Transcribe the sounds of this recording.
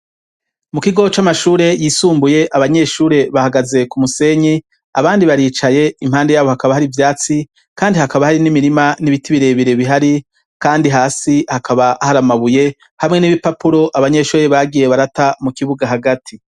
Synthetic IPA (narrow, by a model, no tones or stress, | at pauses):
mukiɡo̞t͡ʃamaʃuːɾe̞jiːsuːmbuje̞ʔaβaɲe̞ʃuːɾe̞βahaɡaze̞kumuse̞ɲi | aβaːndiβaɾiːt͡ʃaje̞im̥haːnde̞jaːβo̞hakaβahaɾivjaːt͡si | kaːndihakaβahaɾinimiɾimaniβitiβiɾe̞βiɾe̞βiɦaɾi | kaːndiɦaːsihakʰaβahaɾamaβuje̞ | hamŋe̞niβipapuɾo̞ʔaβaɲe̞ʃuːɾe̞βaɡije̞βaɾatamukiβuɡaɦaɡatʰi